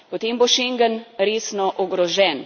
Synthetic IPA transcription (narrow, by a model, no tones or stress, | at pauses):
pɔt̪emboʃeŋɡənɾeːsnɔʔɔɡɾɔʒɛn